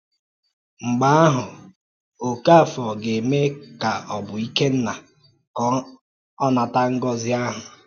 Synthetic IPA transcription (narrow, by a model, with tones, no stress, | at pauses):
ŋ͡m̩˨ɡ͡ba˦a˦ɦʊ˨ | o˨ka˦˨fɔ˨ɡe˨me˦ka˨ɔ˨bʊ˨i˦ke˦n̩˦na˨ | kɔ˦ | ɔ˦na˨ta˦ŋ̩˦ɡɔ˦zɪ˦a˦ɦʊ˨